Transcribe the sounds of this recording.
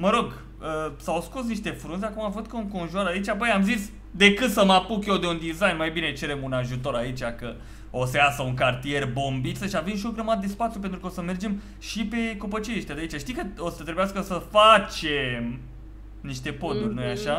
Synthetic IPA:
məɾo̞ɡ | əsawsko̞s̬niʃt̪e̞fɾunzeakumavəd̪̚kəuŋko̞nʒuaɾait͡ʃabojamzis | d̪e̞kɨt̪səmapukjewd̪e̞und̪izajnmajbinet͡ʃe̞ɾe̞munaʒut̪o̞ɾait͡ʃʲakə | osəasəuŋkart̪ije̞rbo̞mbit̪səʃiavemʃioɡɾəmad̪əd̪e̞spat̪sjup̬ent̪ɾukəosəme̞rd͡ʒe̞m | ʃipe̞kopət͡ʃeeʃt̪ʲad̪ait͡ʃaʃt̪ijkəosət̪ɾebujaskəsəfat͡ʃem | niʃt̪e̞po̞d̪urʲnojaʃa

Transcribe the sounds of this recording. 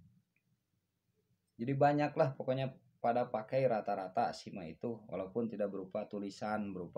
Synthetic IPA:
d͡ʒadibaɲaklahpɔkɔɲa | padapakajɾat̪aɾat̪asimaḭt̪uwa̰laupʊnt̪idak̚bəɾupat̪ulisanbəɾupa

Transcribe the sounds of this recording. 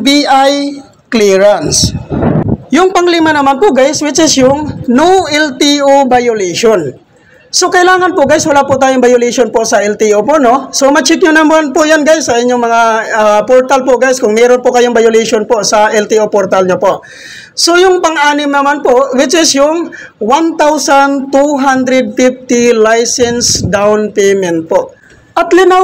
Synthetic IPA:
biʔaj | kliɹans | jʊŋpɐŋlɪmanɐmanpʊʔɡajswɪt͡ʃɪsjʊŋnoʔɛlt̪iʔobajʊliʃon | sokɐʔɪlaːŋɐnpʊʔɡajswɐlapʊt̪aːjoŋbɐjʊliʃonpoʔsɐʔɛlt̪iʔopoʔno̞somɐt͡ʃɪt̪̚ɲʊnɐmanpʊʔjanɡajsːɐʔɪɲːoŋmɐŋapoɾt̪alpoʔɡajskʊŋmɛːɾonpʊkɐjoŋbajʊliʃonpoʔsɐʔɛlt̪iʔopoɾt̪alɲopoʔ | sojʊŋpɐŋʔaːnɪmnɐmanpoʔwɪt͡ʃɪsjʊŋ | want̪awsant̪uɦand̪ɾɛd̪̚fɪft̪ɪlajsɛnsd̪awnpɛjmɛnt̪̚poʔ | ʔɐt̪lɪna

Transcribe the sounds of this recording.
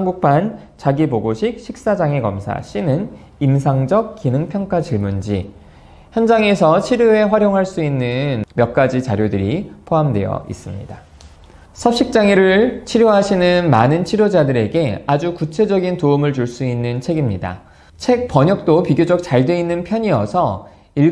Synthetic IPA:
haŋɡuk̚p͈ʰan | t͡ɕaɡipoɡoɕʰik̚ɕʰik̚s͈ad͡ʑaŋekʌ̰msʰa̰ɕ͈inɯn | ims̬ʰaŋd͡ʑʌk̚k͈inɯŋpʰjʌŋk͈ʰat͡ɕiɭmund͡ʑi | çjʌnd͡ʑaŋe̞sʰʌt͡ɕʰiɾjue̞ɸwaɾjoŋɦaɭs͈uinːɯnmjʌk̚k͈ad͡ʑit͡ɕaɾjodɯɾipʰoɦamdwe̞̰jʌ̰ḭs͈ɯmɲḭda | sʰʌp̚ɕ͈ik̚t͡ɕ͈aŋiɾɯɭt͡ɕʰiɾjoɦaɕʰinɯnmanɯnt͡ɕʰiɾjod͡ʑadɯɾe̞ɡe̞ad͡ʑukut͡ɕʰe̞d͡ʑʌɡintoumɯɭt͡ɕuɭs͈uinːɯnt͡ɕʰe̞ɡimɲida̰ | t͡ɕʰe̞k̚p͈ʌɲʌk̚t͈opiɡjod͡ʑʌk̚t͡ɕaɭdwe̞inːɯnpʰjʌɲiʌsʰʌ | iɭ

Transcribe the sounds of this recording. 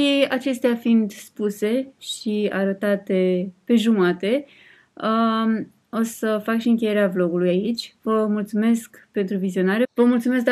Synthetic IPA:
ʃiat͡ʃe̞st̪eafind̪spuse̞ʃiaɾət̪at̪e̞pe̞ʒumat̪e̞ | o̞səfakʃiɨŋkʲeje̞ɾeavlo̞ɡulujait͡ʃʲvəmult̪sume̞skpe̞nt̪ɾuvizio̞naɾevəmult̪sume̞s̬̚

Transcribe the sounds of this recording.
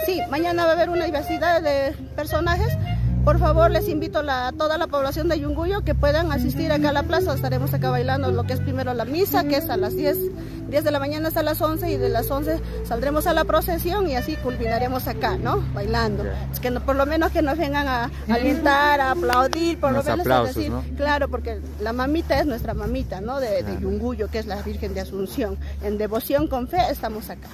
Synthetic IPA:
simaɲanaβaβe̞ɾunaðiβe̞ɾsiðaðːe | peɾso̞naxe̞spo̞ɾfaβo̞ɾle̞simbit̪olat̪oðalapo̞βlasjo̞nd̪eʝuŋɡuʎoke̞pwe̞ðaŋas̬ist̪iɾakaalaplasaest̪aɾemos̬akaβajland̪olo̞keespɾime̞ɾolamisakeesalazd̪jes | d̪je̞zðelamaɲanaast̪alaso̞nseiðelaso̞nse̞ | sald̪ɾemosalapɾosesjo̞ŋiasikulminaɾemosakanobajland̪o | kenpoɾlomenoskenozβeŋɡaŋaː | lint̪aɾaːplawðiɾpoɾlomenoseðesiɾklaɾopoɾke | lamamit̪aesnwest̪ɾamamit̪anoðeðeʎuŋɡuʝokeslaβiɾxe̞nd̪easunsjoŋend̪eβosjoŋkoɱfeest̪amosakḁ

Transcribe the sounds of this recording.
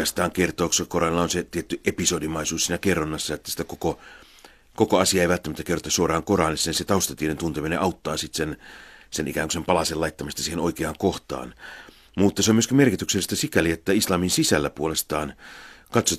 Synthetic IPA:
ɑst̪ɑːŋkert̪oːkskorɑnlːɑonset̪iet̪ːyʔepisodimɑˑisuːssiːnækerːonːɑsːɑet̪ːæsi̥t̪ækoko | kokoɑsiɑeiʋælt̪ːæmæt̪ːækerot̪ɑsuorɑːŋkorɑːnisːenset̪ɑˑust̪ɑt̪iedent̪unt̪emineʔɑut̪ːɑːsit̪sensenʔḭkæːŋkusempɑlɑselɑˑit̪ːɑmɑst̪ɑsiːhenoikeɑːŋkoht̪ɑ̰ːn | mut̪ːɑseomyøskimerkit̪ykselːist̪æsikæliet̪ːæislɑːminsisælːæpuolest̪ɑːnkɑt̪so

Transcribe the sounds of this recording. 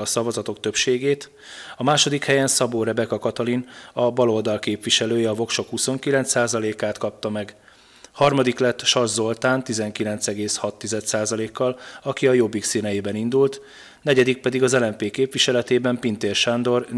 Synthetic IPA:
ɒsɒvɒzɒt̪o̞k̚t̪øpʃeːɡeːt̪ | ɒmaːʃo̞d̪ikhɛjɛnsɒboːɾɛbɛkɒkɒt̪ɒlinɒbɒlo̞ld̪ɒlkeːpʋiʃɛløːjɛɒvo̞kʃo̞khuso̞ŋkilɛnt̪saːzɒleːkaːt̪kɒp̚t̪ɒmɛɡ | hɒrmɒd̪iklɛt̪ːʃɒrzo̞lt̪aːnt̪izɛŋkilɛnt̪sɛɡeːshɒt̪ːizɛt̪saːzɒleːkːɒlɒkiɒjo̞bːiksinɛjiːbɛnind̪ult̪ | nɛɟɛd̪ik̚pɛd̪iɡɒzɛlɛmpeːkeːpʋiʃɛlɛt̪eːbɛmpint̪eːrʃand̪o̞r

